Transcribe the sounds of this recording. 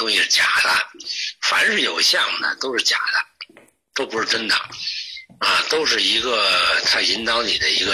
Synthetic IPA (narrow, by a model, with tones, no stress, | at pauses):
t̪ʊ˥ŋɕi˧ʂ̩˥˩t͡ɕja̰˨˩d̪ə˦fa̰˨˥˦nʂɻ̩˥˩jo˨˩ʊɕjɑ˥˩ŋnə̰˩t̪o˥ʊʂɻ̩˥˩t͡ɕja̰˨˩d̪ə˦ | t̪o˥ʊpʂɻ̩˥˩ʈ͡ʂə˥nd̪ə˨˩ | a˧t̪o˥ʊʂ̬ɻ̩˥˩i˧˥ɡə˧t̪ʰa˥i˧˥nt̪ɑ˧˥ʊni˨˩d̪ə˦i˧˥ɡə˧